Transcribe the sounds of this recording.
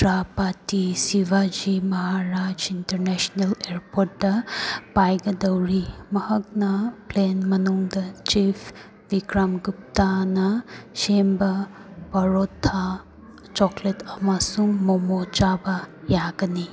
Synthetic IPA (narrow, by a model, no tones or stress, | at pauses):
dɾapatisiʋad͡ʒimɐɦaɾad͡ʒintɐɾnesneleɾpʰoɾʈ̚dɐpajɡɐdɐwɾimɐhɐk̚nɐplenmɐnuŋdɐt͡ʃipʰ | biɡɾamɡup̚tanɐsembɐ | bɐɾot̪ʰːa | t͡ʃɔkletɐmasuŋmomod͡ʒabɐjaɡɐni